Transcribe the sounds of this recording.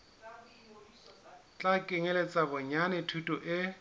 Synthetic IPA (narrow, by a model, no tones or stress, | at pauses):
t͡ɬʼakʼɪŋelet͡sʼabʊɲanɪtʰutʼɔʔɪ